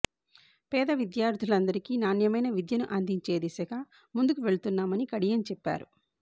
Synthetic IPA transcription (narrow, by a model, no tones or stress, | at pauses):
pɛːd̪ɐʋid̪jaːɾd̪ʱulɐnd̪ɐɾikiːnaːnjɐmɐjnɐʋid̪jɐnuʔɐnd̪iɲt͡ʃe̞ːd̪isɐkɐ | mund̪ukuʋe̞ɭut̪unːaːmɐnikɐɽijɐnt͡ʃɛpːa̰ːɾṵ